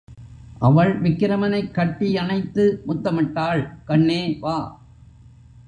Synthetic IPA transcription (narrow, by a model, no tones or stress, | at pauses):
ʔɐʋɐɭʋɪkːɪɾɐmɐnɐɪkːɐʈːiɐnɐɪt̪ːɯmʊt̪ːɐmɪʈːaːɭkɐɳːeːʋaː